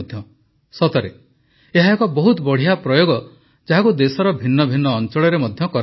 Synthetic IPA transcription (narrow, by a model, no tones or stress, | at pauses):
d̪ʱjɔ | sɔt̪ɔɾe | eɦaekɔbɔɦut̪bɔɽ̤iɦapɾɔjoɡɔ | d͡ʒaɦakud̪esɔɾɔbʱinːɔbʱinːɔːnt͡ʃɔɭɔɾemɔd̪ʱjɔkɔɾ